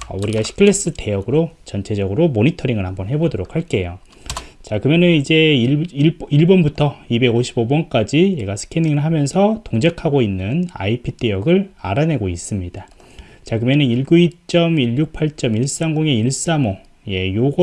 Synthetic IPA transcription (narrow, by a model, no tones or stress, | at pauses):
ʌ̰uɾiɡaɕʰi̥kʰɯɭes͈ɯte̞jʌɡɯɾot͡ɕʌnt͡ɕʰe̞d͡ʑʌɡɯɾomonitʰʌɾiŋɯɭhambʌnɦe̞bodoɾokʰaɭk͈e̞jo | t͡ɕakɯmjʌnɯnid͡ʑe̞ | iɭbʌnbutʰʌibe̞ɡoɕʰibobʌnk͈ad͡ʑije̞ɡasʰɯ̥kʰeniŋɯɭɦamjʌnsʰʌtoŋd͡ʑekʰaɡoinːɯna̰ipʰit͈e̞jʌɡɯɭa̰ɾane̞ɡois͈ɯmɲida | t͡ɕakɯmjʌnɯniɭɡuit͡ɕ͈ʌmiʎːuk̚pʰaɭt͡ɕ͈ʌmiɭs͈aŋɡoŋe̞iɭs͈amo | je̞joɡʌ